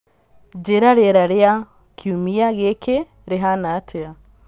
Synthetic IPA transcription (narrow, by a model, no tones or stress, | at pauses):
d͡ʒeɾaɾeɾaɾea | kʰjumiaɣeke | ɾeɦanatʰea